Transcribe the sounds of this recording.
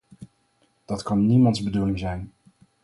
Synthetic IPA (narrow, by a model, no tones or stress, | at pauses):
d̥ɑtkɑnːimɑntzbədulɪŋzɛjn